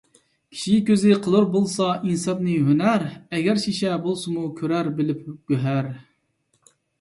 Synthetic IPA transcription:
kʲʰi̥ʃikʲøzɪqʰəlˠɨɾbolˠsɑʔinsɑp̪nɨɦønæɾɛɡʲæɾʃiʃɛbolˠsɨmukʲʰøɾæɾbɪlɪp̚ɡ̥ʲøɦæɾ

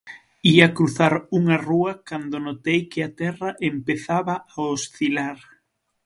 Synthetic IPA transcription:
iakɾuθaɾuŋɐruɐkand̪onot̪ejkɪat̪ɛrɐʔempeθaβɐaosθilaɾ

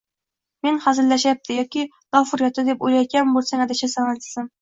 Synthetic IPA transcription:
menχazɪlaʃjap̚t̪ʰɪjɒkʲʰɪ | d̪̥ɒfʊɾjɒt̪ʰɪd̪epojlajt̪̚kʲanbolˠsaŋad̪ɪʃasanant̪ɪ̥sɪm

